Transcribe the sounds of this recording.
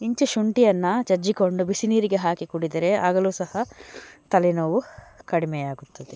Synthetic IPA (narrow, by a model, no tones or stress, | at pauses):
iɲt͡ʃuʃuɳʈijɐnːɐt͡ʃɐɾd͡ʒiko̞ɳɖubisiniːɾiɡe̞ɦaːkikuɽid̪ɐɾe̞aːɡɐluːsɐhɐt̪ɐlinɐʋukɐɽimɛjaːɡut̪ːɐd̪e